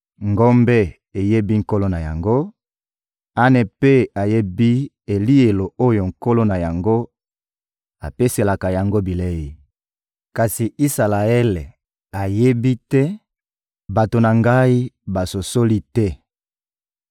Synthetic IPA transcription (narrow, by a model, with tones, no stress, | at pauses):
ŋɡo˦mbe˦ | e˨je˦bi˦ŋ̩˨ko˦lo˦na˨ja˨ŋɡo˦ | a˦ne˨pe˦a˨je˦bi˦ | e˨li˦e˨lo˨o˦jo˨ŋ̩˨ko˦lo˦na˨ja˨ŋɡo˦ | a˨pe˦se˨la˨ka˨ja˨ŋɡo˦bi˨le˦ji˨ | ka˨si˨i˦sa˨la˨ɛ˦le˨ | a˨je˦bi˦tɛ˦ | ba˨to˨na˨ŋɡa˦i˦ba˨so˨so˦li˦tɛ˦